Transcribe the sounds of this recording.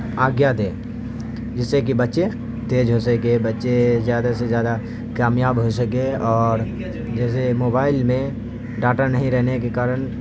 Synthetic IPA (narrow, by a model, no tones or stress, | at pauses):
aːɡjat̪eː | d͡ʒɪsːek̬ibɐtːʃe | t̪eːd͡ʒɦoːsəkebɐtːʃezjaːd̪asezjaːd̪a | kaːmjaːbɦoːsəkeɔːɾ | d͡ʒɛːs̬emoːbaːɪlmẽ | ɖaːʈaɾnɐɦĩɾɛɦnekekaːɾəɳ̃